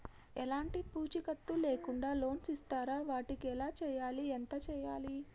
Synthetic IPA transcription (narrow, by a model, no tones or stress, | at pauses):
ɛlaːɳʈipuːt͡ʃikɐt̪ːuleːkuɳɖaːlo̞ːnsist̪aːɾaːʋaːʈikiɛlaːt͡ʃɛːjaːliɛnt̪ɐt͡ʃɛːjaːli